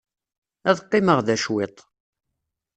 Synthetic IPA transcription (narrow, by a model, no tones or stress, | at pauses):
æðqːɪməʁðæʃwet̪ˤ